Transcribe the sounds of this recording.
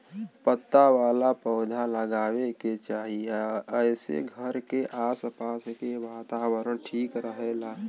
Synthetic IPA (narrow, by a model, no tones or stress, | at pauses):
pət̪ːawaːlapəːd̪ʱaləɡaːweket͡ʃaːɦiəɪsḛɡʱəɾkeʔaːsəpaːskebaːt̪aːbəɾənʈʰiːkɾəɦela